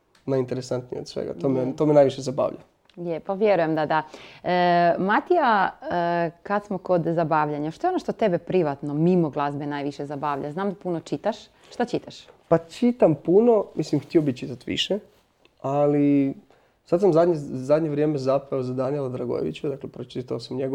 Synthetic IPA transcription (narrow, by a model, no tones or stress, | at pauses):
naint̪eɾesant̪nij̰od̪sʋḛɡa̰t̪oːmet̪omenajʋiʃezaba̰ːʋʎa̰ | jepaʋjeɾujemd̪ad̪aəmat̪ija | kat̪smoko̞d̪zabaːʋʎaɲaʃt̪oeonoʃt̪o̞t̪ebepɾiʋat̪no̞mimoɡlˠazbenaːjʋiʃezabaːʋʎaznaːmd̪apunot͡ʃit̪aʃ | ʃt̪at͡ʃit̪aʃpat͡ʃit̪ampuno̞mislimxt̪iobit̪t͡ʃit̪at̪ʋḭʃe | ali | sad̪samzad̪ɲezad̪ɲeʋɾjemezapaozad̪anilˠad̪ɾaɡo̰jḛʋḭt͡ɕud̪aklepɾot͡ʃit̪aosamɲeɡo